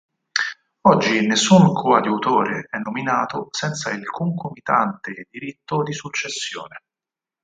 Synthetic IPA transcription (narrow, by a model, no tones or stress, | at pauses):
ɔd͡ʒːinesːuŋkʰoad̪uut̪oːɾeɛnːominaːt̪osɛnt̪sailkuŋkomit̪a̰nt̪ed̪iɾit̪ːod̪isut͡ʃːesːjo̰ːne